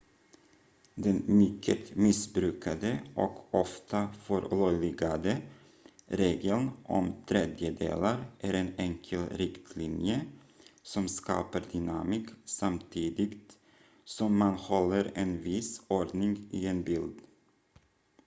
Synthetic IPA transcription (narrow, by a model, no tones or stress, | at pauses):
d̪ɛnmʏkʰːət̪mɪsbɾʉ̟ːkʰad̪əʔɔ̰kɔft̪ʰafœɾlœlɪɡad̪ə | ɾeːɡ̪əlnʔɔ̰mt̪ʰɾed̪jəd̪ḛːlaɾʔæɾenɛŋkʰəlɾɪkt̪ʰlinjə | sɔmskɑ̰ːpaɾd̪ʏnamiːksamt̪ʰiːd̪ɪɡt̪ | sɔmːanhɔlːəɾɛnvɪsɔɖnɪŋɪenbɪld̪